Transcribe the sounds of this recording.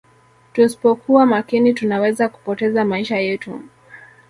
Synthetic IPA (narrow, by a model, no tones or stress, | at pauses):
tusi̥pɔkuwamakinitunawɛzaku̥pɔtɛzamaiʃajɛtṵ